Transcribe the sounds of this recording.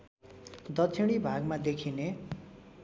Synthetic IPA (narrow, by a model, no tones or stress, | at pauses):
d̪ʌt͡sʰiɽ̃ibʱaɡmad̪ekʰine